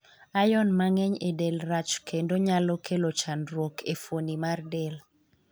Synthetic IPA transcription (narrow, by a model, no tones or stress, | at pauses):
ajɔnmaŋɛɲedelɾat͡ʃkʰendoɲalɔkʰelot͡ʃanɾwokʰefonimardel